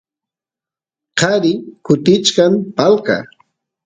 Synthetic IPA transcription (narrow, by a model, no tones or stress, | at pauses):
qɑɾɪkʊt̪ɪt͡ʃkampalka̰